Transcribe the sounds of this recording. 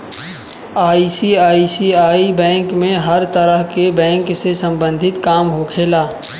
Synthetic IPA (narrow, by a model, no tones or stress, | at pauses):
aːisiaːisiaːibɛ̃ːŋkmẽɦəɾt̪əɾəɦkebɛ̃ːŋksesə̃mbə̃nd̪ʱɪt̪kaːmɦokʰeːlaː